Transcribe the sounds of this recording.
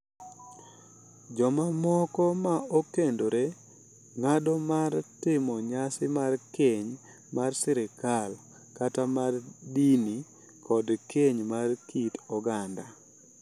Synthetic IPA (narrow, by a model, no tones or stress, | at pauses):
d͡ʒɔmamɔkɔmaokendoɾe | ŋadɔmartɪmɔɲasɪmarkeɲ | marsɪɾɪkal | katamardini | kʰɔdkeɲmarkʰitɔɡanda